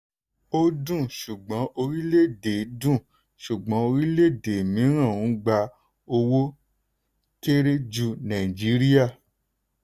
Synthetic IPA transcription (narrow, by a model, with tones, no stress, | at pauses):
o˦dũ˦˨ʃu˨ɡ͡bɔ̃˨˦ʔo˧ɾi˦le˦˨de˨˦dũ˦˨ | ʃu˨ɡ͡bɔ̃˨˦o˧ɾi˦le˦˨de˨mĩ˨˦ɾ̃ã˦˨ũ˨˦ɡ͡ba˧ | o˧wo˦ | ke˦ɾe˦d͡ʒu˧nã˨i˨d͡ʒi˨˦ɾi˦a˦˨